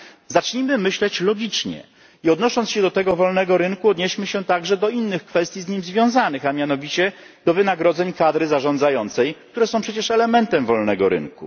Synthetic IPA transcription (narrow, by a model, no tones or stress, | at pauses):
zat͡ʂɲimɘmɘɕlɛt͡ɕlɔɡʲit͡ʂɲɛ̰ | iɔd̪nɔʂɔntsɕɛd̪ɔt̪ɛɡɔvɔlnɛɡɔɾɘŋkuɔd̪ɲɛɕmɘɕɛt̪aɡʐɛd̪ɔinːɘxkfɛst̪ʲjizɲimzvʲjɔ̃w̃zanɘxamʲjanɔvʲit͡ɕɛ | d̪̥ɔvɘnaɡɾɔd̪zɛɲkad̪ɾɘzaʐɔnd̪zajɔnt̪sɛjk̚t̪uɾɛsɔ̃w̃pʂɛt͡ɕɛʂɛlɛmɛnt̪ɛmvɔlnɛɡɔɾɘ̰ŋkṵ